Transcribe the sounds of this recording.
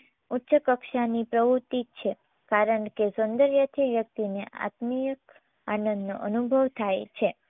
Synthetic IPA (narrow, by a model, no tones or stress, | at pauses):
utːʃəkəkʃanipɾəʋut̪it͡ʃʰe | kaɾəɳkesɔnd̪əɾjət̪ʰiʋjək̚t̪ineʔa̰t̪mijək | anənd̪no̰ʔənubʱəʋt̪ʰajt͡ʃʰe